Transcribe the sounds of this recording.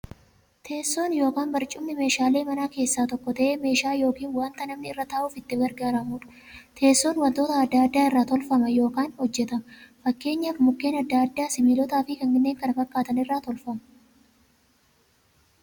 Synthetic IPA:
t̪ʰe̞ːsːo̞ːnjo̞ːkaːnbɐɾt͡ʃʼʊmnɪme̞ːʃaːle̞ːmɐnaːke̞ːsːaːt̪ɔkːɔt̪ɐʔeːme̞ːʃaːjo̞ːkiːnwaːnt̪ɐnɐmnɪɪrːɐt̪aːʔuːfɪt̪ːɪɡɐɾɡaːɾamuːᶑɐ̥ | t̪ʰe̞ːsːo̞ːnwɐnt̪o̞ːt̪ɐɐd̪ːaːd̪ːaːɪrːaːt̪ɔlfɐmɐjo̞ːkaːnhɔd͡ʒːɛt̪ɐmɐfɐkːe̞ːɲːaːfmʊkːe̞ːnɐd̪ːaːɐd̪ːaːsɪmiːlɔt̪aːfɪkɐŋɡɪnːeːŋkɐnɐfɐkʼːaːt̪ɐnɪrːaːt̪ɔlfɐmɐ

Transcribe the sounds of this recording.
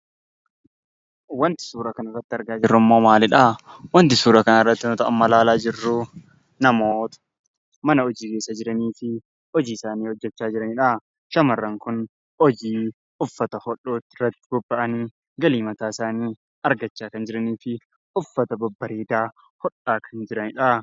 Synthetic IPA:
wɐnt̪ɪ̥suːɾɐkɐnɐrːɐt̪ːɪɐɾɡaːd͡ʒɪrːʊmːo̞ːmaːlɪᶑawɐnt̪ɪsuːɾɐkɐnaɪrːɐt̪ːɪnʊt̪ɐʔɐmːɐlaːlaːd͡ʒɪrːʊ | nɐmoːt̪ɐ̥ | mɐnɐɔd͡ʒiːke̞ːsːɐd͡ʒɪɾɐniːfɪ | ɔd͡ʒiːɪsaːniːhɔd͡ʒːɛt͡ʃːaːd͡ʒɪɾɐnɪᶑa | ʃɐmɐrːɐŋkʊn | ɔd͡ʒiː | ʔʊfːɐt̪ɐhɔᶑo̞ːt̪ːɪrːɐt̪ːɪ̥bʊbːɐʔɐniː | ɡɐliːmɐt̪aːɪsaːniː | ɐɾɡɐt͡ʃːaːkɐnd͡ʒɪɾɐniːfɪ | ʊfːɐt̪ɐbɐbːɐɾeːd̪aː | hɔᶑaːkʰɐnd͡ʒɪɾɐnɪᶑɐ

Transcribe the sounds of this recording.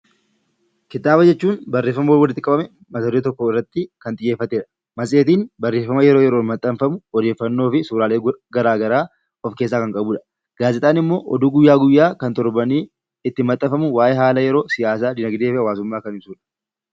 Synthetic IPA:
kɪt̪aːbɐd͡ʒɛt͡ʃːuːnbɐrːeːfːɐmɐwɔwɐlːɪt̪ːɪkʼɐbɐmɛ | mɐsɐɾoːt̪ɔkːɔɪrːɐt̪ːɪkɐnt̪ʼɪjːeːfːɐt̪eːᶑɐ̥ | mɐsʼeːt̪iːnbɐrːe̞ːfːɐmɐjɛɾoːjɛɾo̞ːnmɐt̪ʼːɐmfɐmʊɔd̪e̞ːfːɐnːo̞ːfɪsuːɾaːleːɡɐɾaːɡɐɾaː | ɔfke̞ːs̬ːaːkɐŋkʼɐbuːᶑɐ̥ | ɡ̥aːzɪt̪ʼaːnɪmːo̞ːʔɔ̰d̪uːɡʊjːaːɡʊjːaːkɐnt̪ɔɾbɐniː | ɪt̪ːɪmɐt̪ʼːɐfɐmʊwaːjʔeɦaːlɐjɛɾo̞ːsɪjaːsaːd̪ɪnɐɡd̪e̞ːfɛɐwaːsʊmːaːkɐnɪbsuːᶑɐ̥

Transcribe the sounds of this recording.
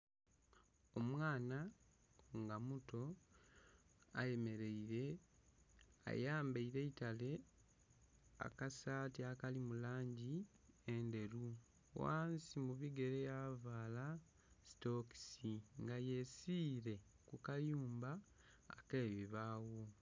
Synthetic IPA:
o̞mwaːna | ŋɡamuto̞ | a̰je̞me̞ɾeiɾe | a̰jaːmbeiɾe̞itale̞ | a̰kasaːtiakalimulaːɲɟi | ende̞ɾu | wa̰ːnsimuβiɡe̞ɾejavaːla | sto̞ksiŋɡaje̞siːɾe̞ | kukajuːmba̰ː | keːβiβaːwo

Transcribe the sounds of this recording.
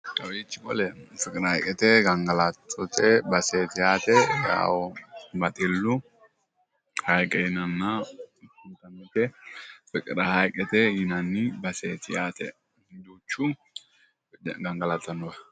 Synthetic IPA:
kʼɐwiːt͡ʃːɪkɔlɛfɪkʼɪɾɐɐjkʼɛt̪eːɡɐŋɡɐlat̪ʰːɔt̪ʰeːbɐseːt̪ɪjaːt̪ɛja̰ːwɔmɐt̪ʼɪlːʊ | hɐjkʼɛɪnɐnːa | ʊnt̪ɐnːɪtɛfɪkʼɪɾahɐjkʼɛt̪eːhɪnanːɪbɐseːt̪ɪjaːt̪ɛ̰ | d͡ʒuːt͡ʃːu | ɡɐŋɡɐlat̪ːɐnːʊɐ

